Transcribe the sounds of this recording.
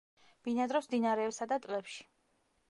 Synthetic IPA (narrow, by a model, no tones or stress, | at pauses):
b̥inad̪ɾɔsmd̪inaɾɛːpsad̪at̪ʼlɛpʃi̥